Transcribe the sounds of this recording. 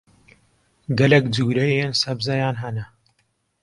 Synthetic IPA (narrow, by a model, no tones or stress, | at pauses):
ɡɐlɛkd͡zuːɾɐjensɐbzɐjaːnɦɐnɐ